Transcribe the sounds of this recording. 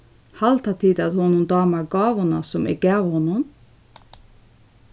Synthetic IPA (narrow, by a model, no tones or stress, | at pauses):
hɑlt̪ʰɑt̪ʰiːd̪ɑd̪hɔnʊmd̪ɑːmɑɾɡɑːʋʊnɑsɔmɪ̰ɡ̥æːʋhɔnʊm